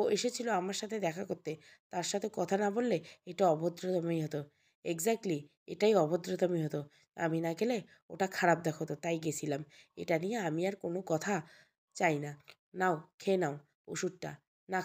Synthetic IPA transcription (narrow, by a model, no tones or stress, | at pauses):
oeʃet͡ɕʰiloamaɾʃat̪ʰed̪ɛkʰakoɾt̪e | t̪aɾʃat̪ʰekɔt̪ʰanabolːeeʈaɔbod̪ɾot̪omojɦɔt̪o | eɡzak̚ʈli | eʈajɔbod̪ɾot̪omiɦɔt̪o | a̰minaɡele | o̰ʈakʰaɾab̚d̪ɛkʰot̪ot̪ajɡet͡ɕʰilamḛʈanijeamiaɾkonokɔt̪ʰa | t͡ɕajna | naokʰenao | uʃud̚ʈa̰ | na